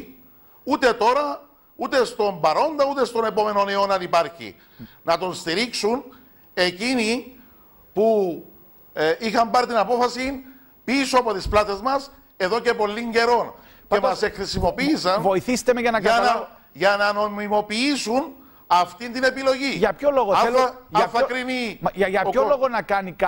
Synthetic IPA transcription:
ut̪e̞t̪o̞ɾɐ | ut̪e̞st̪o̞mbɐɾo̞nd̪ɐut̪e̞st̪o̞ne̞po̞me̞no̞neo̞nɐnipɐɾçḭ | nɐt̪o̞nst̪iɾiksun | e̞cini | pu | ʔixɐmbɐɾt̪inɐpo̞fɐsin | pisoɐpo̞t̪isplɐt̪e̞zmɐs | e̞ðo̞ce̞po̞lːiɲɟe̞ɾo̞n | cemɐsexɾisimo̞piːsɐnvo̞iθist̪emeʝɐnɐkɐɐnɐ | ʝɐnɐno̞mimo̞piisun | ɐft̪ind̪ine̞pilo̞ʝiʝɐpçoloɣoelɐθɐkɾiniʝɐʝɐpçoloɣonɐkɐnikɐ

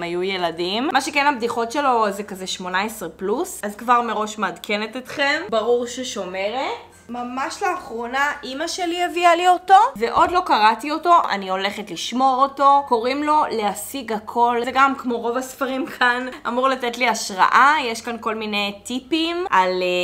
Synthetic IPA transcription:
majuje̞ladimmaʃekenabdiχo̞tʃe̞lo̞zekazeʃmo̞naesʁeplusazkvaʁme̞ʁo̞ʃmːdkʰe̞netitχe̞mbaʁuʁʃeʃo̞meʁet | mamaʃlaːχʁo̞naʔimaʃe̞lievialio̞to̞veʔo̞dlo̞kaʁatio̞to̞ʔa̰nio̞le̞χetliʃmo̞ʁoto̞ko̞ʁimlo̞leasiɡakʰo̞lzeɡamkmo̞ʁo̞vasfaʁimkʰana̰muʁlatetliaʃʁa̰ʔajeʃkanko̞lmine̞jtipimʔale

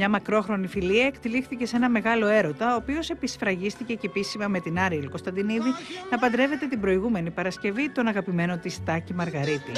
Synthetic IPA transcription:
mɲɐmɐkɾo̞xɾo̞nifiliɐekt̪ilixθice̞se̞nɐme̞ɣɐlo̞e̞ɾo̞t̪ɐoːpio̞se̞pisfɾɐʝist̪ice̞cepisimɐme̞t̪inɐɾiilko̞st̪ɐnd̪iniðinɐpɐnd̪ɾe̞ve̞t̪e̞t̪ibɾo̞iɣume̞nipɐɾɐsce̞vit̪o̞nɐɣɐpime̞no̞t̪ist̪ɐcimɐɾɣɐɾit̪ḭ

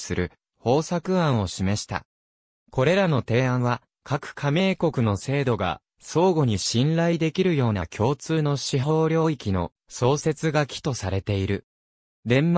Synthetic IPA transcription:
sɨɾɯ̟ | ho̞ːsakɯ̟ãɰ̃o̞ɕime̞ɕi̥t̪a̰ | ko̞ɾe̞ɾano̞t̪e̞ːãɰ̃βa | kʰakɯ̟̥kʰamʲeːko̞kɯ̟no̞se̞ːd̪o̞ɡa̰ | so̞ːɡo̞ɲ̟iɕĩnɾaid̪e̞kʲiɾɯ̟jo̞ːna̰kʲʰo̞ːt͡sɨːno̞ɕiɦo̞ːɾʲjo̞ːikʲino̞̰ | so̞ːse̞t͡sɨɡakʲi̥t̪o̞saɾe̞t̪e̞iɾɯ̟ | d̪ẽ̞mm

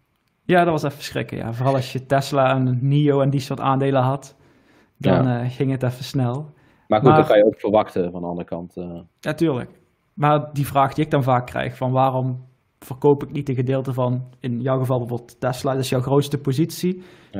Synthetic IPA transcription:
jaːdɑtʋɑsɛfə̥srɪ̰kəja̰ːvoːrɑlˠɑsjətɛslaənniowɛndisoːɹta̰ːndeːləɦɑt | dɑnəɣɪŋətɛfəsnɛlˠ | maːɣmuakɑjəokfərʋɑxtəvɑndəɑ̰ndərəkɑnt | jaːtyːɹlə̰k | maːrdivraːxdiɪɡ̚dɑnvaːkːrɛ̰jxfɑnʋaːrɔm | v̥ərkowpɪknit̚dəɣədɪːlˠtəvɑnɪnjɔwɣəvɑlˠbəvoblˠttɛslaːdɪsjɔwxrowtstəpozitsi

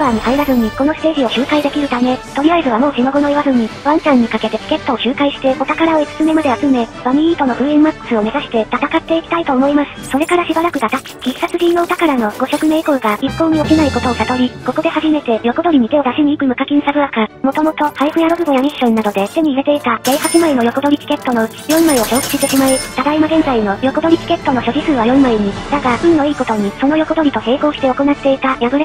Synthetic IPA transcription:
baːɲ̟ihaiɾazɨɲ̟iko̞no̞sɨ̥t̪e̞ːʑio̞ɕɨːkaid̪e̞kʲiɾɯ̟t̪ame̞t̪o̞ɾʲiaizɨβamo̞ːɕino̞ɡo̞no̞iβazɨɲ̟iβãnt͡ɕãɲ̟ːikake̞t̪e̞sɨ̥ke̞t̪ːo̞ːɕɨːkaiɕi̥t̪e̞o̞t̪akaɾao̞it͡sɨ̥t͡sɨme̞mad̪e̞at͡sɨme̞b̥amʲiiːt̪o̞no̞ɸɯ̟ːĩmmakːɯsɨo̞me̞zaɕi̥t̪e̞t̪at̪akat̪ːe̞ikʲi̥t̪ait̪o̞ːmo̞imasɨ̥so̞ɾe̞kaɾaɕibaɾakɯ̟d̪at̪akʲi̥kʲiksat͡sɨʑiːno̞ːt̪akaɾano̞ɡo̞ɕo̞kɯ̟me̞ːiko̞ɯɡaipːo̞ːɲ̟io̞kʲinaiko̞t̪o̞osat̪o̞ɾʲiko̞ko̞d̪e̞haʑime̞t̪e̞jo̞ko̞d̪o̞ɾʲiɲ̟it̪e̞o̞d̪aɕiɲ̟iːkɯ̟mɯ̟kakʲĩɰ̃saɡɯ̟akamo̞t̪o̞mo̞t̪o̞haiɸɯ̟jaɾobɯ̟ɡojaɲʲiɕːõ̞nːad̪o̞d̪e̞t̪e̞ɲ̟iːɾe̞t̪e̞it̪aɡ̥e̞ihat͡sɨmaino̞jo̞ko̞d̪o̞ɾʲikʲi̥ke̞t̪ːo̞no̞ɯ̟t͡ɕi̥jõ̞mːaiβaɕo̞ːkɯ̥ɕit̪eɕimaɯ̟t̪ad̪aimaɡẽ̞nd͡zaino̞jo̞ko̞d̪o̞ɾʲikʲi̥ke̞t̪ːo̞no̞ɕo̞ʑisɨːβ̞ajõ̞mːaeɲ̟id̪aɡainno̞iːko̞t̪o̞ɲ̟iso̞no̞jo̞ko̞d̪o̞ɾʲit̪o̞he̞ːko̞ːɕi̥t̪e̞oko̞nat̪ːe̞it̪ajaɡɯ̟ɾe

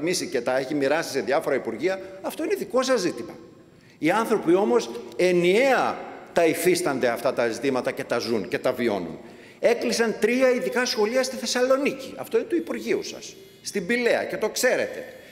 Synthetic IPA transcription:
misice̞t̪ɐe̞çimiɾɐsi̥se̞ðjɐfo̞ɾɐipuɾʝiɐɐft̪o̞ineðiko̞sɐzit̪imɐ̰ | iɐnθɾo̞pio̞mo̞se̞nie̞ɐt̪ɐifist̪ɐnd̪e̞ɐft̪ɐt̪ɐzit̪imɐt̪ɐce̞t̪ɐzunce̞t̪ɐvio̞̰nṵn | e̞klisɐnt̪ɾiɐiðikɐsxo̞liɐst̪iθe̞sɐlo̞niciɐ̰ft̪oinet̪uipuɾʝiusɐ̰s | st̪imbile̞ɐ̰ce̞t̪o̞kse̞ɾe̞t̪e̞̰

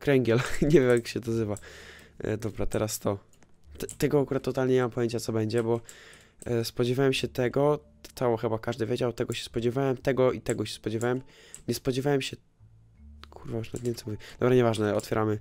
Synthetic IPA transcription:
kɾɛŋɡʲjɛlɲevʲjɛmjakɕɛd̪azɘva̰ | d̪ɔbɾat̪ɛɾast̪ɔ | t̪ɛt̪ɛɡɔakuɾat̪ːɔt̪alɲɛɲɛmampɔjeɲt͡ɕat̪sɔbɛɲd͡ʑɛbɔ | spɔd͡ʑɛvʲjawɛmɕɛt̪ɛɡɔ | awɔxɛbakaʐd̪ɘvʲjed͡ʑawt̪ɛɡɔɕɛ̥spɔd͡ʑɛvʲjawɛmt̪ɛɡɔit̪ɛɡɔɕɛ̥spɔd͡ʑɛvʲjawɛmɲɛspɔd͡ʑɛvʲawɛmɕɛ | kʰuɾvauʂna̰t̪ɲɛmt̪ɛmuvʲid̪ɔbɾaɲɛvaʐnɛɔt̪fʲjɛɾamɘ

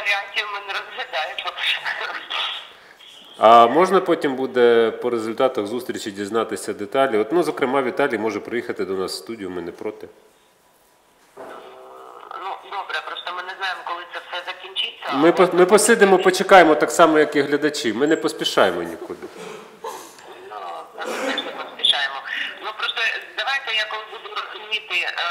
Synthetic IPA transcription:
ɐɾʲɪak̚tʲijʊmɪnɛɾɔzɦlʲɐd̪ajɪmɔ | ɐmɔʒnɐpɔtʲimbud̪ɛpɔɾezʊlʲt̪ɑt̪ɐɣzust̪ɾʲit͡ʃidʲiznɑt̪ɪsʲɐd̪et̪ɑlʲiɔt̪nuzɔkɾɪmɑʋʲit̪ɑlʲijimɔʒɛpɾɔjixɐt̪ɪd̪ɔnɑsst̪udʲijʊmɪnɛpɾɔt̪ɪ | nud̪ɔbɾɛpɾɔst̪ɔmɪnɛznɑjemɔkɔlˠɪt̪sɛfsɛzɐkʲinʲt͡ʃɪt͡sʲːɐmɪpɔmɪpɔsɪd̪ɪmɔpɔt͡ʃekɑjemɔt̪ɑksɑmɔjɐkiɦlʲɐd̪ɐt͡ʃimɪnɛpɔspʲiʃɑjemɔnʲikud̪ɪ | ɛʃnɛpɔspʲiʃɑjemɔnupɾɔst̪ɔd̪ɐʋajt̪ɛjakɔlˠbud̪ʊɾɔzʊmʲit̪ɪ

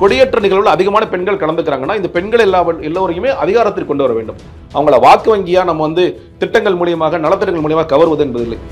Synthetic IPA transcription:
kɔɽɪjɛʈrɐnɪɣɐɭʋɪlɐðɪɣɐmaːnɐpɛɳɡɐɭkɐɽɐnd̪ɯkːɪɾaːŋɡɐnːaːɪnd̪ɐpɛɳɡɐɭɛlːaːʋɐɛlːoːʋɐɾɐjɯmeːʔɐðɪɣaːɾɐt̪ːɪʈkːɔɳɖɯʋɐɾɐʋḛːɳɖɯm | ʔɐʋɐŋɡɐɭɐʋaːkɯʋɐŋɡɪjaːnɐmːɐʋɐnd̪ɯ | t̪ɪʈːɐŋɡɐɭmuːɽɪjɐmaːɣɐnɐɭɐt̪ːɪʈːɐŋɡɐɭmuːɽɪjɐmaːɣɐkɐʋɐɾɯʋɐðɯɛnbɐðɪlːɐɪ

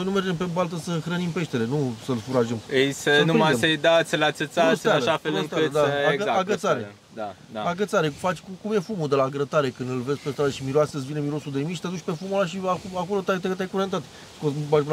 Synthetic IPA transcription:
ojnume̞rd͡ʒe̞mpe̞balt̪̬əsəɨxɾənimpe̞ʃt̪e̞ɾe̞nusəlfuɾaʒemejsənuɾimdaemsejd̪at̪sʲlasəsast̪aalʃafeust̪aɾəd̪aaəaaɡət̪saɾe | d̪a | aaɡət̪saɾe̞fat͡ʃʲkumje̞fumud̪e̞laɡɾət̪aɾe̞kɨnd̪ɨlve̞zʲpest̪ɾad̪əʃimiɾoaseɨsvinemiɾo̞sud̪e̞miʃi̥t̪ed̪ut͡ʃʲpe̞fumulaʃ̬iakako̞lo̞t̪at̪et̪ʲajkuɾent̪at̪ | skobat͡ʃbun

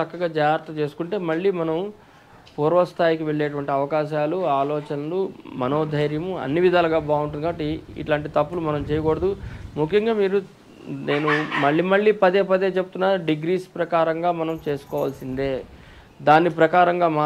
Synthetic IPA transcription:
ɐkːɐɡaːd͡ʒaːjɾt̪ɐt͡ʃe̞ːsu̥kuɳʈe̞ːmɐɭːiːmɐnɐm | puːɾʋɐst̪ʰaːjikiʋe̞ɭːeːʈuʋɐɳʈiɐʋɐkaːʃaːluaːlɔːt͡ʃɐnɐlumɐno̞ːd̪ʱɐjɾjɐmuɐ̰nːiʋid̪ʱaːlɐɡaːbaːuɳʈ̬unikaːʈiḭʈlaːɳʈit̪ɐpːulumɐnɐmt͡ʃeɛːjɐkɔːɽɐd̪umukʰːjɐŋɡaːmiːɾu | ne̞ːnumɐɭːiːmɐɭːiːpɐd̪eːpɐd̪e̞ːt͡ʃe̞but̪unːaːɾuɖiɡɾiːspɾɐkaːɾɐŋɡaːmɐnɐmt͡ʃe̞ːsu̥kɔːʋaːlɐsind̪e̞ː | d̪aːnːip̬ɾɐkaːɾɐŋɡaːmaː

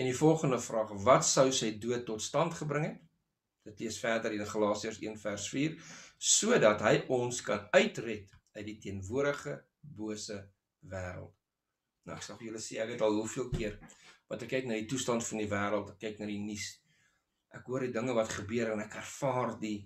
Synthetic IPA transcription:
ɛndifɔlˠχəndəfrɑːχvɐtsəwsɛjduətːɔtstɐntχəbɾəŋɦɛt | d̥ətliəsfæːrdərɦiəχɐlɑːsiərsḭənfærsfiːrsuədɐtɦəjʔɔnskɐnœɥtrɛtœɥt̚ditiənvuəɾdəχə | buəsə | væːɾə̰lˠt | nə̰æ̰ksɐlˠfəjələsiækɦɛtɐlˠɦufiəlˠkiərvɐntɛkːɛjknɐrditustɐntfɐndivæːɾəlˠtɛkːɛjknɐrdinis | ʔækɦuərdidəŋəvɐtχəbøəɾɛnækærfɑːrdi

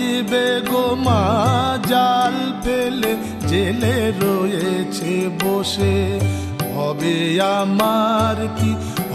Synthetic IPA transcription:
beɡomad͡ʒalpʰele | d͡ʒeleɾojet͡ʃʰeboʃe | ɦɔbeamaɾki

